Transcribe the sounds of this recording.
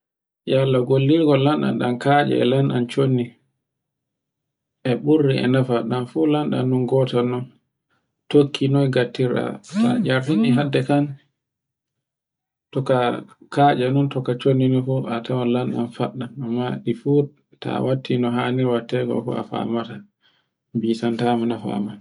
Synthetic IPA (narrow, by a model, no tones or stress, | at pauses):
jalːaɡolːiɡɔlanɗa̰nɗankad͡ʒɛ̰ɛ̰lanɗa̰nt͡ʃonːi | ʔɛɓuɾːiɛ̰nafaɗanfulanɗa̰nːunɡɔtanɔ | tokʰːinɔjɡatːiɾa̰ta̰d͡ʒaɾhiniɦadːɛkan | tɔkakad͡ʒanuntɔkat͡ʃonːinɔfuatawalanɗa̰nfaɗːanamːaɗifu | ta̰watʰːinɔɦaniɾwatːɛkɔ̰kɔ̰a̰fa̰mata | bisantamanafa̰man